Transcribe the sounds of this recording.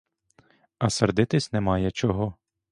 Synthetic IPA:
ɐsɐrd̪ɪt̪ɪsʲnɛmɑjɛt͡ʃɔɦɔ

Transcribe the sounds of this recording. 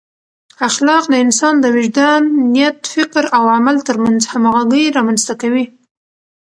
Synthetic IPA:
axlɑqd̪əɪnsɑnd̪əwɪʒd̪anːijat̪fɪkɾawamalt̪əɾmanzhamaɣaɡəjɾɑmanst̪akawi

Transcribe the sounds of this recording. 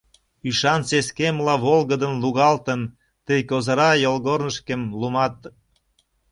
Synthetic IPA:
yʃɑnseskemlɑβolɣəd̪ənluɣɑlt̪ən | t̪əjkozəɾɑjolɣornəʃkemlumɑt̪

